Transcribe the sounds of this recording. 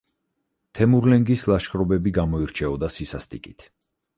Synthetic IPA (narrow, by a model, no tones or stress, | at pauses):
t̪ʰɛmuɾlɛŋɡislˠaʃkɾɔbɛbiɡamɔiɾt͡ʃʰɛɔd̪asisast̪ʼikʼit̪ʰ